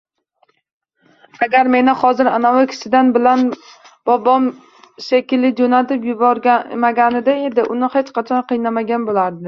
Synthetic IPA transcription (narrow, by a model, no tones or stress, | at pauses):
aɡʲaɾme̞nɪχɒzɪɾanawɪkʲʰɪ̥sɪd̪anbɪlan | b̥ɒbɒm | ʃakʲɪlɪd͡ʒonat̪ɪpjʊbɒɾʲmaɡʲanɪd̪aed̪ɪʔʊnɪhet͡ʃqʰɑt͡ʃʰɒnqʰɨjnamaɡʲanbolaɾd̪ɪ